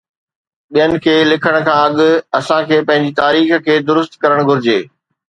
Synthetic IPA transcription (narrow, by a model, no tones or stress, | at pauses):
ɓijənɪ̆kʰeːlɪkʰəɽ̃̆kʰãːɐɠʊ̆ɐsãkʰeːpɐ̃ɦɪ̃ɲ̆d͡ʑit̪aːɾiːxkʰeːd̪ʊɾʊst̪kɐɾəɽ̃ɡʱʊɾɪd͡ʑeː